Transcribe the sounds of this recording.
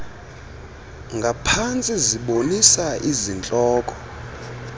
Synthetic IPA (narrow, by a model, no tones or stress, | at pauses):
ŋɡʱapʰant͡sʼiziɓonisaʔizint͡ɬʼɔːkʼɔ